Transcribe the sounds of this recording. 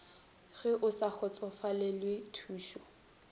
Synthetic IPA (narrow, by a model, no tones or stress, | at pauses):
ɣɛʔʊsak͡xʰɔt͡sʼɔfalɪlwɪtʰuːʃɔ